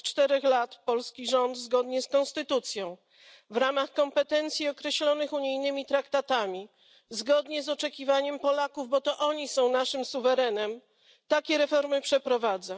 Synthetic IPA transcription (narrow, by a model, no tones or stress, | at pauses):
t͡ʂt̪ɛɾɛxlat̪pɔlskʲiʐɔnd̪zɡɔd̪ɲɛskɔ̃nst̪ɘt̪ut̪sʲjɔ̃w̃ | vɾamaxkɔmpɛt̪ɛnt̪sʲjiɔkɾɛɕlɔnɘxuɲijnɘmʲit̪ɾakt̪at̪amʲi | zɡɔd̪ɲɛzɔt͡ʂɛkʲivaɲɛmpɔlakuvbɔt̪ɔʔɔɲisɔ̃w̃naʂɘmsuvɛɾɛnɛm | t̪akʲɛɾɛfɔɾmɘpʂɛpɾɔvad̪za